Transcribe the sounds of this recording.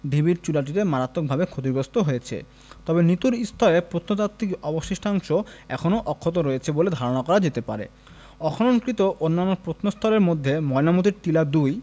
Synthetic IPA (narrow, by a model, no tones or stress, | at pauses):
d̪ʱibiɾt͡ɕulaʈ̬iɾemaɾat̪ːok̚bʱabekʰot̪iɡɾost̪oɦojet͡ɕʰḛ | t̪ɔbenit̪uɾist̪ʰɔlepɾot̪ʰnot̪at̪ːikɔboʃeʃʈʰaŋʃoɛkʰonoʔɔkʰːot̪̬oɾojet͡ɕʰeboled̪ʱaɾonakɔɾad͡ʑet̪epa̰ɾḛ | ɔkʰonoŋkɾit̪oʔonːanːopɾot̪ʰnost̪ʰɔleɾmod̪ʱːemɔenamot̪̬iɾtilad̪uj